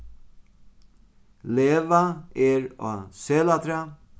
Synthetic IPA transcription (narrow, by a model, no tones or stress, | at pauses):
leːʋaeɹo̰ːseːlat̪ɾa